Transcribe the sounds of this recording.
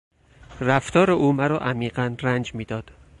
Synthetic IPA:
ræft̪ʰɒːɾeʔuːmæɾɒːʔæmiːɢænrænd͡ʒmiːd̪ɒːd̪̥

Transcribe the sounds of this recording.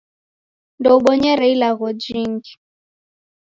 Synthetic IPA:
ndɔuɓɔɲɛɾɛilaɣɔd͡ʒiŋɡi

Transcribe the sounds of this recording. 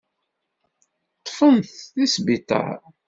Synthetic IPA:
t̪ˤːfənθθisbit̪ɑ̰

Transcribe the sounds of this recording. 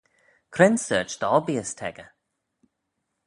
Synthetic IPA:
kʰɾɛnsɜ̰ːt͡ʃd̪̥ɔbiəstʰɛ̰ɡə

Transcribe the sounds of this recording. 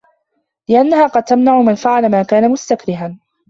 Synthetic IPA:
lɪʔanːaɦaːqɑd̪̚t̪amnaʕʊmanfaʕalamaːkaːnamʊst̪akɾɪɦan

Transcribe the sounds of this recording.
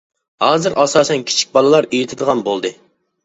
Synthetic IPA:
hɑːzɨɾʔɑsɑːsɛnkʲʰi̥t͡ʃʰi̥k̚ʲbɑlˠɨlˠɑɾejit̪ʰɪd̪əʁɑnbolˠd̪ɨ

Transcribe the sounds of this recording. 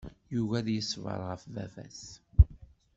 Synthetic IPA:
juɣæðjəsːvə̰ɾˤʁəfvævæ̰s

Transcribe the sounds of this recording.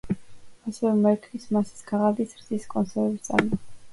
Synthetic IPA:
asɛvɛmɛɾk̪ʰlismasi̥sɡaʁadɡ̪isɾziskʼɔnsɛɾɛvist̪sʼa̰ɾmɔ

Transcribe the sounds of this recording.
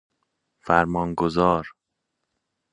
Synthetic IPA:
fæɾmɒːnɡozɒːɾ

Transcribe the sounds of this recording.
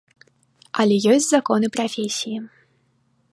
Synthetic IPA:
ɐlʲɛjɔsʲt͡sʲzakɔnɨpɾafʲesʲiji

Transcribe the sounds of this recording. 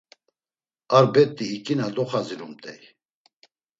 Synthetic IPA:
aɾbɛt̪ʼːiːkʼinad̪ɔχaziɾumt̪ʼɛj

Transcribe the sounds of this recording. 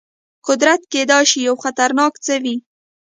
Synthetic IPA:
qʊd̪ɾat̪ked̪ɑʃijawxat̪aɾnɑkt͡səwi

